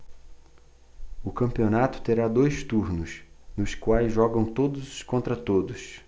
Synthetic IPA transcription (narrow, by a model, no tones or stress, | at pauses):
ʊkɐ̃mpionat̪ʊ̥t̪eɾad̪ojst̪uɾnʊs | nʊskwajzʒɔɡɐ̃w̃t̪od̪ʊzʊskõnt̪ɾɐt̪od̪ʊs